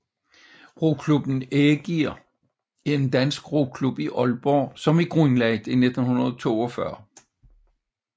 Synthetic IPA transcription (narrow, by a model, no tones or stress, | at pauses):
ʁo̝kʰlub̥n̩eɡ̥iɐ̰ | e̝nd̥ænsɡ̥ʁokʰlub̥iʔɒlb̥ɒ̰ːsɒ̽miɡ̥ʁnlænd̥ine̝d̥n̩hunɐðˠt͡sʰo̝̰ːɒ̽fɶɐ